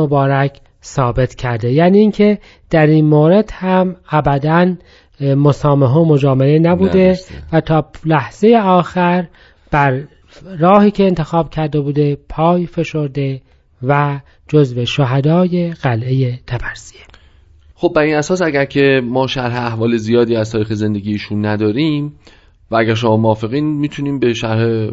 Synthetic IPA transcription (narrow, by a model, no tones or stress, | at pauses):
obɒːɾækʰ | sɒːbe̞t̪ʰcʰæɾd̪e̞jæːniːŋcʰe̞ | d̪̥æɾiːnmoːɾe̞d̪̥hæmæbæd̪æn | mosɒːmeɦomo̞d͡ʒɒːmelenæbuːd̪evæt̪ʰɒːlæhz̥e̞jeɒːxæɾ | b̥æɾː | ɒːhiːcʰeːnt̪ʰe̞xɒːb̥̚cʰæɾd̪e̞buːd̪e̞pʰɒːjfe̞ʃo̞ɾd̪e̞ | væ | d͡ʒozve̞ʃoɦæd̪ɒːje̞ɣ̥ælʔejet̪ʰæbæɾsie | χob̚bæɾiːnæsɒːsæɡæɾcʰe̞mɒːʃæɾɦeæhvɒːlezijɒːd̪iːæzt̪ʰɒːɾiːxeze̞nd̪e̞ɡiːiːʃunːæd̪ɒːɾiːm | vææɡæɾʃ̬omɒːmoɒːfeɣiːnmiːt̪ʰuniːmbeʃæɾhe